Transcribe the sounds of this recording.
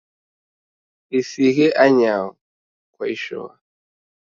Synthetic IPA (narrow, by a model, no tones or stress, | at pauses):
isiɣɛʔaɲaɔ | kwaiʃɔ̰wa